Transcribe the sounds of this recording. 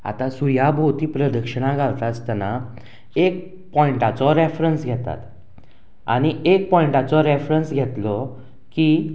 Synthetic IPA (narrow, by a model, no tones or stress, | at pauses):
a̰t̪asujabʱowt̪iːpɾəd̪əkʂəɽ̃ãɡʱalt̪ast̪ana | ek̚ | pɔjiɳʈat͡sɔɾefɾənsɡʱɛt̪a̰t̪ | a̰ɽ̃iek̚pɔiɳʈat͡sɔɾefɾənsɡʱɛt̪lɔ | ki